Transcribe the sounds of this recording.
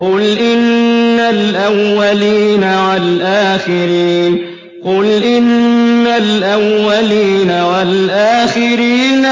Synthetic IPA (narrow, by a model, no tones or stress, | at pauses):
kʊlʔɪnːalʔawːaliːnawalʔaːxɪɾiːn | qʊlʔɪnːalʔawːaliːnawalʔaːxɪɾiːn